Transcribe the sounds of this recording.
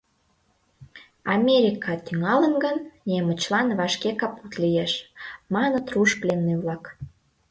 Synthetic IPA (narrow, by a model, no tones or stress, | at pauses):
ɑmʲeɾʲikɑt̪yŋɑlənɡənnemət͡ɕlɑnβɑʃkekɑput̪lijeʃmɑnət̪ruʃplenːeβlɑk